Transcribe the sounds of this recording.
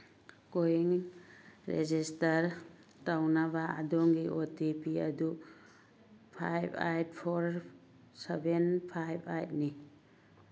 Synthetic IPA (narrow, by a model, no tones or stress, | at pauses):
kojiŋ | ɾḛd͡ʒistaɾ | tawnabaa̰dɔŋɡiʔotipiɐ̰du | pʰa̰jba̰jt̚pʰoɾ | sebenpʰajba̰jt̚ni